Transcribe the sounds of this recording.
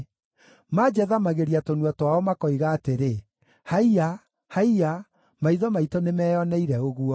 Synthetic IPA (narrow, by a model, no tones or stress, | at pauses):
mad͡ʑɛðamaɣeɾiatonuɔtwaɔmakɔiɣaːteɾe | haia | haia | maiðɔmaitɔnemɛːjɔnɛiɾɛoɣuɔ